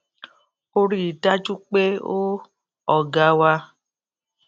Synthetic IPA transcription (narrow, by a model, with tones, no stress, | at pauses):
o˦ɾi˨ta˦t͡ʃu˦k͡pe˦o˦ | ɔ˨ɡa˨˧wa˧